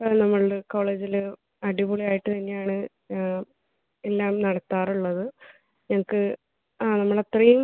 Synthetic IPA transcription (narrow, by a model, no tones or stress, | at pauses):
ponɐmːɐɭko̞ːɭe̞ːd͡ʑilɨ | ɐɽibuɭijaːjiʈːɨt̪ɐnːejaːɳɨ | e̞lːaːmnɐɽɐt̪ːaːruɭːɐðɨ | ɲɐŋɐkːɨ | aːnɐmːɐɭɐt̪rɐjum